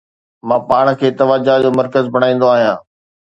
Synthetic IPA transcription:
mãːpaːɽ̃̆kʰeːt̪ɐʋaːd͡ʑad͡ʑoːmɐɾkəzbʱɐɽaːĩːnd̪oaːɦijãː

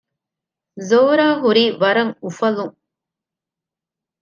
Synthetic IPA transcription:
zoːɾaːɦuɾiːʋɐɾɐŋufɐluŋ

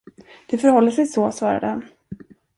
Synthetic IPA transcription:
d̪̥ɛfœɾhɔlːəʂɛjsɔsvɑːɾa̰d̪əhan

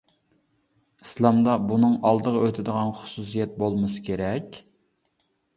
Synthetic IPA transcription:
islˠɑmd̪ɑbunɨŋɑlˠd̪əʁɑøt̪ʰɪd̪əʁɑnχʊ̥susijɛt̪̚bolˠmɨsɨ̥kʲeɾɛkʲ

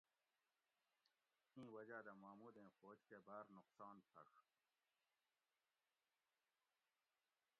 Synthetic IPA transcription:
ĩːwɐd͡ʑaːd̪ɐmaːmuːd̪ẽːxoːd͡ʑkebaːɾnʊqsɑːnpʰɐ̰ʂ

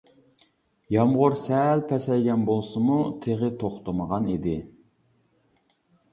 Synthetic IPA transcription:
jɑmʁʊɾsɛlpʰɛsɛjɡʲɛnbolˠsɨmut̪ʰeʁɪt̪ʰoχt̪əməʁɑnid̪ɪ

